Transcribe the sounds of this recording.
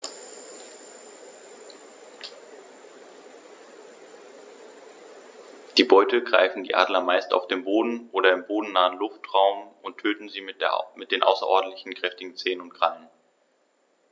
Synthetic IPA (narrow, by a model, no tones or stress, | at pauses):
d̥iːbɔʏtəɡʁa̰ɪfn̩dḭːʔa̰ːdlɐmaɪsta̰ʊfd̥eːmboːdn̩ʔoːɾɐɪmboːdn̩naːənlʊftʁ̥aʊmʔʊntʰøːtn̩ziːmɪt̚d̥eːnʔa̰ʊsɐʔɔ̰ɐdn̩tlɪçn̩kʁ̥ɛftɪɡŋ̩t͡seːənʊnt̚ɡ̥ʁ̥alən